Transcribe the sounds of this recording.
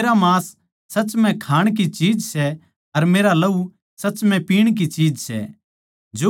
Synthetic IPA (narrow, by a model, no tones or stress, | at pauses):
ɾamaːsː | ɐt͡ʃmɛ̃kʰaːɽ̃k̬it͡ʃiːd͡ʒsɛ | ɐɾmeːɾalɐu | sɐːt͡ʃmɛ̃piːɽ̃k̬it͡ʃiːd͡ʒsɛ̰ | d͡ʒoː